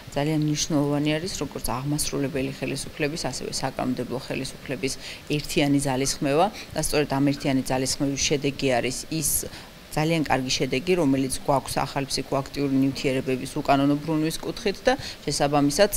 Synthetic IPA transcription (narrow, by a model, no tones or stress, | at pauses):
d̪z̥alianmniʃunɛlˠɔvaniaɾisɾɔɡɔɾt̪sʰaʁmasɾulɛbɛliχɛlisu̥pʰlɛbisasɛ̰vɛ̰sakʼa̰nɔmd̪ɛblˠɔχɛlisupʰlɛbisɛɾt̪ʰianid̪zalisχmɛvad̪̥ast̪sʼɔɾɛd̪amɛɾt̪ʰianid̪zalisχmɛvisʃɛd̪ɛɡiaɾisis | d̪z̥aliankʼaɾɡiʃɛd̪ɛɡiɾɔmɛlit̪sʰɡwakʷʰsa̰χalipʰsikʰʼɔakʰt̪ʼiuɾinivt̪ʰiɛɾɛbɛbisukʼanɔnɔbɾunwiskʼut̪ʰχit̪ʰd̪aʃɛsabamisad̪̥